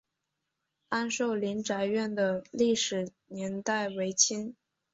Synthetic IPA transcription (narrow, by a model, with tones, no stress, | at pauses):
a˥nʂo˥˩ʊli˧˥nʈ͡ʂa˧˥ɪɥɛ˥˩nd̪ə˩li˥˩ʂɻ̩˨˩ | njɛ˧˥nt̪a˥˩ɪwe˧˥ɪt͡ɕʰi˥n